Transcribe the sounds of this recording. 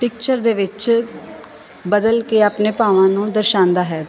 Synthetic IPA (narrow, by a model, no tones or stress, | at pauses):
pɪk̚t͡ʃəɾd̪eːʋɪt͡ʃ | bəd̪əlkeːaːpneːpaːʋãːnũːd̪əɾʃãːnd̪aːɦɛː